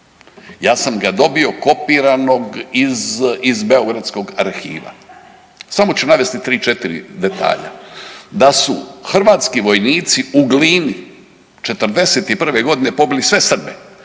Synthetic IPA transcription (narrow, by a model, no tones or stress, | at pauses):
jaːsamɡad̪o̞bio̞ko̞piːɾano̞ɡizizbe̞o̞ɡɾat̪sko̞ɡaɾxḭːʋa̰ | samot͡ɕunaʋe̞st̪it̪ɾiːt͡ʃet̪iɾḭd̪e̞t̪a̰ːʎa̰d̪asṵxr̩ʋaːt̪skiʋo̞jniːt̪siuɡliːni | t͡ʃe̞t̪r̩d̪e̞se̞t̪ipr̩ʋe̞ɡo̞d̪ine̞po̞bilisʋe̞sr̩bḛ